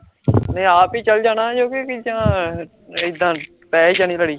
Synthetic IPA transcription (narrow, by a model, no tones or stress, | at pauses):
nəĩaːpiːt͡ʃəld͡ʒaːnaːd͡ʒoːkikɪd͡ʒãː | ɪd̪ãː | pɛːid͡ʒaːniːləɽiː